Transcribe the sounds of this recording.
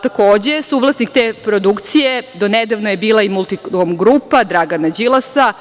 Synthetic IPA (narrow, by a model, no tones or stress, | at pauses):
t̪akoːd͡ʑesuʋlˠasnikt̪eːpɾo̞d̪ukt̪sijed̪o̞ned̪aʋnojebiːlˠaimulˠt̪iomɡɾuːpad̪ɾaɡanad͡ʑilˠasa